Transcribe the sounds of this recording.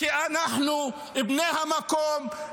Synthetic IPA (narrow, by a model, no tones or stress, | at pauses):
iʔanaħnu | ʔɪbneːhamakoːm